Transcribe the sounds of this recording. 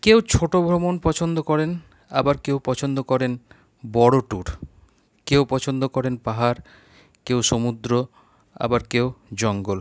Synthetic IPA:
kewt͡ɕʰoʈobʱɾomonpɔt͡ɕʰond̪okɔɾen | a̰baɾkewpɔt͡ɕʰond̪okɔɾen | bɔɽoʈuɾ | kewpɔt͡ɕʰond̪okɔɾenpaɦaɾ | kewʃomud̪ɾo | a̰baɾkewd͡ʑɔŋɡol

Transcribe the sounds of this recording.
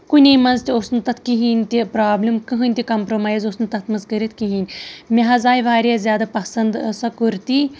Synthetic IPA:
kunʲejmɐnzt̪iosnɨt̪ɐt̪ʰkiɦinʲt̪ʲipɾaːblʲimkɨɦɨnʲt̪ʲikɐmpɾomaːjzosnɨt̪ɐt̪ʰmɐnzkɐɾit̪̚ʰkiɦinʲmʲeɦɐzaːjʋaːɾʲjazʲjaːd̪ɐpɐsɐnd̪sɐkuɾt̪i

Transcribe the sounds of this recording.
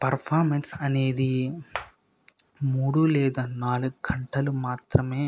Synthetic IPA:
pɐɾpʰaːɾmensɐne̞ːd̪i | muːɽulɛːd̪aːnaːluɡuɡɐɳʈɐlumaːt̪ɾɐme̞ː

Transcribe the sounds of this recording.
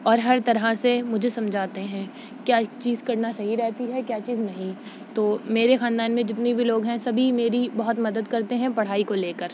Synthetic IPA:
ɔːɾɦɐɾt̪ɐɾɦasemʊd͡ʒʱesɐ̃md͡ʒʱaːt̪eɦɛ̃ː | kjaːt͡ʃiːzkɐɾnasɐɦiɾɛɦt̪iɦɛkjaːt͡ʃiːznɐɦĩ | t̪oːmeːɾexãːnd̪aːnmẽd͡ʒɪt̪nebʱiloːɡɦɛ̃sɐbʱimeːɾibɐɦʊt̪mɐd̪əd̪kɐɾt̪eɦɛ̃pɐɽ̤aːikoleːkəɾ

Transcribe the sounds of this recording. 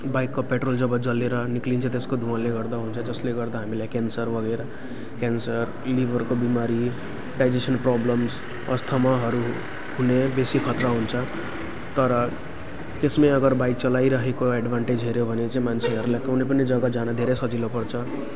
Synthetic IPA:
bajkːopeʈrold͡zʌbʌd͡zʌlːeɾʌniklint͡sʰʌt̪eskod̪ʱuãleɡʌɾd̪aɦunt͡sʰʌd͡zʌsleɡʌɾd̪aɦamilajkensʌɾbʌɡeɾʌ | kensʌr | libʱʌɾkobimaɾi | ɖajd͡ʒesʌnprɔblʌms | ʌ̰st̪ʰʌmaɦʌɾu | ɦunebesikʰʌt̪ɾʌɦunt͡sʰʌ | t̪ʌɾʌ | t̪esmeʌɡʌɾbajk̚t͡sʌlaiɾʌɦekoeɖbʱaɳʈed͡zɦeɾjobʱʌnet͡saĩmant͡sʰeɦʌɾulajkʌwnepʌned͡zʌɡʌd͡zanʌd̪ʱeɾesʌd͡zilopʌrt͡sʰʌ

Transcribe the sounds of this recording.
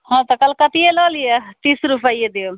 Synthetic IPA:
hɔ̃t̪ɔkəlkət̪ielɔlijet̪isɾupʰəjed̪eo

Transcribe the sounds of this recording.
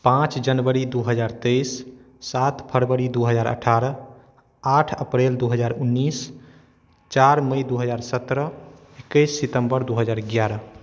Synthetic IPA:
pãt͡ʃd͡ʒənbəɾid̪uɦəd͡ʒaɾt̪ejsː | at̪ʰpʰəɾbəɾid̪uɦəd͡ʒaɾə̰ʈʰaɾə | aʈʰəpɾeld̪uɦəd͡ʒaɾunːis | t͡ʃaɾməjd̪uɦəd͡ʒaɾsət̪ɾə | ekːəjsːit̪əmbəɾd̪uɦəd͡ʒaɾɡjaɾə

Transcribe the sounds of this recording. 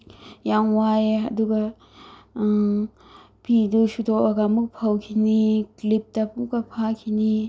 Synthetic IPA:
jaŋwajɐ̰duɡɐ | pʰidusutʰɔaɡamuk̚pʰawkʰiniklip̚tɐpukapʰakʰini

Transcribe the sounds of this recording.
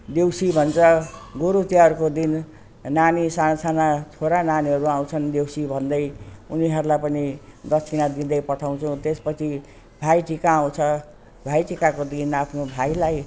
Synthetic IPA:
d̪ewsibʱʌnt͡sʰʌɡoɾutjaɦʌɾukod̪in | nanisasanat͡sʰoɾananiɦʌɾuãw̃t͡sʰʌnd̪ewsibʱʌnd̪ʌjuniɦʌɾulajpʌnid̪ʌt͡sʰinad̪id̪ʌjpʌʈʰaw̃t͡sʰũt̪espʌt͡sʰi | bʱajʈikaːw̃t͡sʰʌ | bʱajʈikakod̪inapʰnobʱajlaj

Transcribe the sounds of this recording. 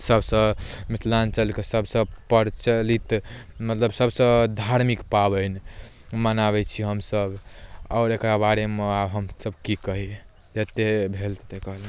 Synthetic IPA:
səbsə̃mit̪ʰlant͡ʃəlkesəbʱsə̃pəɾt͡ʃəlit̪mət̪ləbsəbsə̃d̪ʱaɾmikpabəɪn | mənaβɛt͡ʃʰiɦəmsəbɔːɾekɾabaɾemeabɦəmsəbkikəɦi | d͡ʒet̪ebʱelt̪t̪ekəɦle

